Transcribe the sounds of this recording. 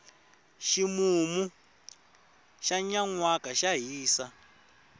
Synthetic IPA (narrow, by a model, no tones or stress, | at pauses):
ʃimumu | ʃaɲaŋwakʼaʃaɦiːsa